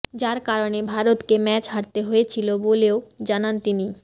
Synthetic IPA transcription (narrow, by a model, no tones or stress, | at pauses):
d͡ʑaɾkaɾonebʱaɾot̪kemɛt͡ɕɦaɾt̪eɦoet͡ɕʰiloboleod͡ʑanant̪ini